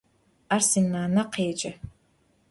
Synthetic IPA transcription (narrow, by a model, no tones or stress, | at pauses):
arsinaːnaqʰeːd͡ʒɐ